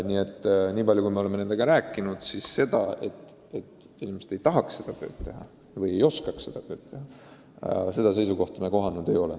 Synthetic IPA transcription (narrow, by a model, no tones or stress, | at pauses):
nie̞t̪ːˑniːpɑljukujmeo̞le̞menend̪̥eɡɑɾæːkːˑinud̪̥sisːe̞d̪̥ɑ̰e̞t̪ːˑ | e̞t̪ | inʲimese̥t̪e̞jt̪ɑɦɑksse̞d̪̥ɑt̪ø̞ːd̪̥t̪ːe̞ɦɑ̰ | vɤje̞jo̞skɑksse̞d̪̥ɑt̪ø̞ːt̪t̪ːe̞hɑ | se̞d̪̥ɑse̞js̬uko̞ht̪ɑmɑko̞ɦɑnːud̪̥e̞jo̞le